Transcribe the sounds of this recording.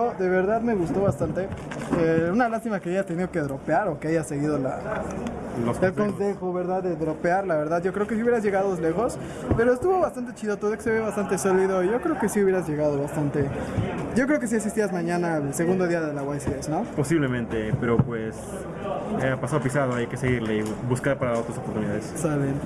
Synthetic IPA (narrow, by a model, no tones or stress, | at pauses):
oðe̞βe̞ɾðaðme̞ɣust̪o̞βast̪ant̪e̞eunalast̪imakeaʝast̪e̞niðokeðɾo̞peaɾo̞keaʝase̞ɣið̞o̞la̰ | loskelsonsexoβe̞ɾðaðːeðɾo̞peaɾlaβe̞ɾðaðʝo̞kɾe̞okesiuβjeɾazʝe̞ɣaðoezle̞xo̞s | pe̞ɾoest̪uβo̞βast̪ant̪et͡ʃiðot̪oðekeseβeβast̪ant̪esoliðo̞iʝo̞kɾeoke̞siuβjeɾazʝe̞ɣað̞o̞βast̪ant̪e̞ɟ͡ʝo̞k̬ɾeoke̞sieks̬ist̪iazmãɲãnaelseɣund̪o̞ðiaðelaɣwajsiðesno̞po̞siβle̞mẽnt̪e̞pe̞ɾo̞pwes | eapasaðopisaðoajakeseɣiɾleibuskaɾpaɾao̞t̪ɾasopoɾt̪uniðaðessalen